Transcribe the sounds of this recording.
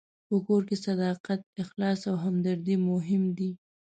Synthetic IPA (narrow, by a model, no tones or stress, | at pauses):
pəkoɾkesad̪ɑqat̪̚ɪxlɑsawɦamd̪aɾd̪imʊɦɪmd̪i